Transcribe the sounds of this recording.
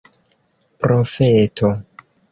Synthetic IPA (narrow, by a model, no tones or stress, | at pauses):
pɾofetʰo